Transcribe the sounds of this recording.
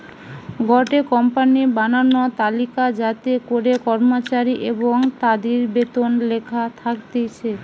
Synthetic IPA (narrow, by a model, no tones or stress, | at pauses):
ɡɔʈekɔmpanibananot̪alikad͡ʑat̪ekoɾekɔɾmot͡ɕaɾiʔeboŋt̪ad̪eɾbet̪onlekʰat̪ʰakt̪et͡ɕʰe